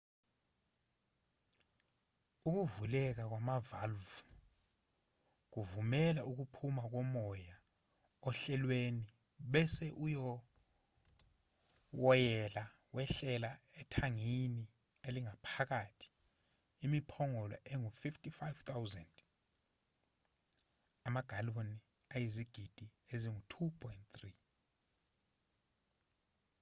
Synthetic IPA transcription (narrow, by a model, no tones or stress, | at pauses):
uk̬uvulɛk̬ak̬wamavalvu | k̬uvumɛlauk̬upʰumak̬ɔmɔja | ɔɬɛlweni | ɓɛsɛʔujɔ | wɔjɛla | wɛɬɛlaɛtʰaŋini | eliŋapʰak̬atʰi̥ | imipʰɔŋɔlɔ̰ʔeŋufiftʼifajvt̪ʰawzɛnd | amaɡ̥ʱaloni | ajiziɡ̥ʱid̥ʱieziŋutʰupʰɔjntt̪ri